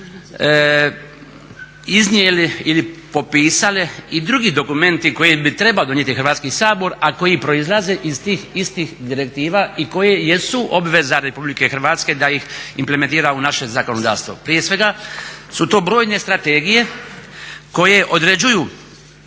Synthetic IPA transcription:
iznjeliilipo̞piːsaliid̪ɾuɡid̪o̞kume̞nt̪iko̞jibit̪ɾe̞baod̪o̞nɲje̞t̪ixɾʋaːt̪skisaːbo̞ɾako̞jipɾo̞izlˠaze̞ʔizt̪iːxist̪ixd̪iɾe̞kt̪iːʋaːiko̞jeje̞suʔo̞bʋe̞zaɾe̞publike̞xɾ̩ʋaːt̪ske̞d̪aixḭmpleme̞nt̪iːɾaunaʃe̞zako̞nod̪a̰ːɾst̪ʋo̞pɾije̞sʋe̞ɡasut̪o̞ːbɾo̞ːjne̞st̪ɾat̪eɡije̞ | ko̞je̞ʔo̞d̪ɾe̞d͡ʑujuː

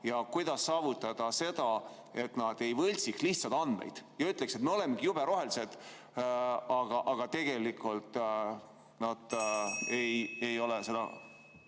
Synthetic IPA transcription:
jɑkujd̪̥ɑsːɑːvut̪ːˑɑd̪̥ɑse̞d̪̥ɑ | e̞t̪nɑd̪̥e̞jvɤlʲt̪siksliht̪sɑd̪ɑnd̪me̞̰jd̪̥jɑyt̪ˑle̞kse̞t̪me̞o̞le̞mːeɡ̥ijub̥eɾo̞ɦelise̞d̪̥ | ɑɡ̥ɑʔɑɡ̥ɑt̪e̞ɡ̥e̞likːˑult̪ˑ | nɑd̪̥e̞je̞jo̞lese̞d̪ɑ̰

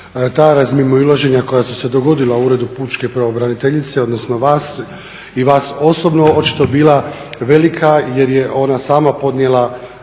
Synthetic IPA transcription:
t̪aːɾazmimoilˠoʒe̞ɲako̞jasuse̞d̪o̞ɡo̞d̪ilauɾe̞d̪upuːt͡ʃke̞pɾoobɾanit̪e̞ʎit̪se̞o̞d̪no̞snoʋaːs | iʋaːso̞so̞bnoo̞t͡ʃi̥t̪o̞biːla | ʋe̞likʰaje̞ɾjeʔo̞nasaːmapo̞d̪njela

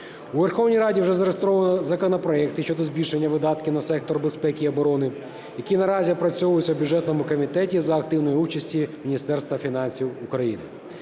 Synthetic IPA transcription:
uʋerxɔwnʲijɾɑdʲiwʒɛzɐɾest̪ɾɔʋɐnɪzɐkɔnɐpɾɔɛkt̪ɪʃt͡ʃɔd̪ɔzʲbʲilʲʃenʲːɐʋɪd̪ɑt̪kɪnɐsɛk̚t̪ɔrbespɛkʲiɐbɔɾɔnɪ | jɐkʲinɐɾɑzʲiɐpɾɐt͡sʲɔʋj̪ɪt͡sʲɐwbʲjʊdd͡ʒɛt̪nɔmʊkɔmʲit̪ɛtʲizɐɐk̚t̪ɪwnɔjiut͡ʃɐsʲtʲimʲinʲist̪ɛrst̪ʋɐfʲinɑnʲsʲiwukɾɐjḭnɪ

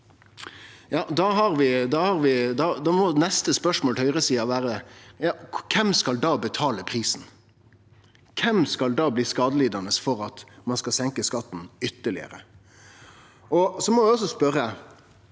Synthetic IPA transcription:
jɑːd̪ɑɦɑɾʋɪd̪ɑːhɑɾʋɪd̪ɑd̪ɑmɔnɛst̪əspœʂmoːlhœʏɾəsiːɑʋæːɾəjɑːkʰɛmskɑld̪ɑːbət̪ʰɑːləpʰɾiːsn | kʰɛmskɑld̪ɑːbliːskɑːd̪əliːd̪ənəsfɔɾɑt̪mɑnskɑsɛŋkəskɑt̪ːn̩ʏt̪ːəɭɪ̰ə̰ɾə̰ | ɔsɔmɔʋɪɔs̬ɔspœɾːə

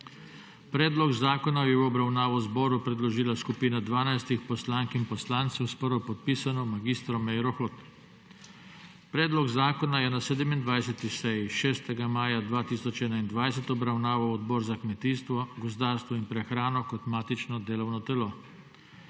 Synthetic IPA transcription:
pɾɛːd̪lɔɡzaːkɔnajɛwɔbɾawnaːʋɔzbɔːɾupɾɛd̪lɔʒiːlaskupiːnad̪ʋaːnajst̪ixpɔslaːŋkinpɔslant̪sɛwspəɾʋɔpɔt̪̚piːsanɔmaɡiːst̪ɾɔmɛjɾɔxot̪ | pɾɛːd̪lɔɡzaːkɔnajɛnasɛd̪ɛmind̪ʋajsɛt̪isɛjiʃɛːst̪ɛɡamaːjad̪ʋaːt̪isɔt͡ʃɛːnaind̪ʋajsɛt̪ɔbɾawnaːʋawɔd̪bɔːɾzakmɛt̪iːst̪ʋɔɡɔzd̪aːɾst̪ʋɔinpɾɛxɾaːnɔkɔt̪maːt̪it͡ʃnɔd̪eːlɔwnɔt̪ɛloː

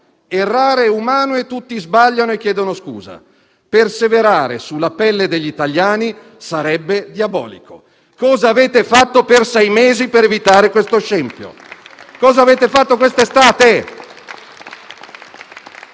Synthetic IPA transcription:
erːaːɾeumaːnoet̪ːut̪ːizbaʎːanoek̟ːjɛːd̪onoskṵːza̰ | perseveɾaːɾḛsulːapɛlːed̪eʎːit̪aljaːni | saɾɛbːed̪jabɔ̰ːlḭko | kɔːzaːveːt̪efat̪ːopersɛjmeːzipeɾevit̪aːɾekwest̪oʃɛmpjo̰kɔːzaːveːt̪efat̪ːokwest̪est̪aːt̪e

